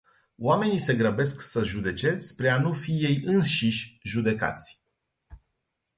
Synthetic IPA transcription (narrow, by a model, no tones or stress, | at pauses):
oame̞nise̞ɡɾəbe̞sksəʒud̪e̞t͡ʃe̞spɾe̞anufije̞jɨnʃiʃʲʒud̪e̞ka̰t̪sʲ